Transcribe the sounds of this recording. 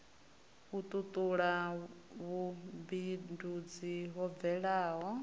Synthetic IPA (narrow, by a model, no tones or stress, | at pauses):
βut̪ʼut̪ʼuɺaβubindud͡ziɦɔb̪vɛɺaːɦɔ